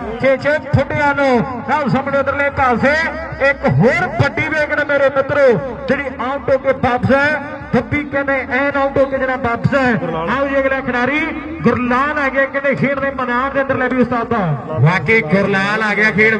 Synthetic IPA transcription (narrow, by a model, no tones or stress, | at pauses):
keːt͡ʃʰeːpʰʊɖeːaːloːaːsəmɽẽːənd̪əɾleːkaːseekɦoːɾpəɖiːbeːkɽːmeːɾeːmɪt̪ɾoːd͡ʒɪɽiːaːʊ̃ʈoːkeːbaːpsaː | t̪əpːiːkẽːneːʔɛ̃ːnaːʊ̃ʈoːkeːd͡ʒɪnãːbaːpsaãːd͡ʒeːɡlaːkʰənaːɾiː | ɡʊɾlaːlaːɡjaːkɪneːkʰiːɽnẽːmənaːnd̪eːənd̪əɾleːbiːʊst̪aːt̪aːʋaːkeːɡʊɾlaːlaːɡɪjaːkʰeːɽ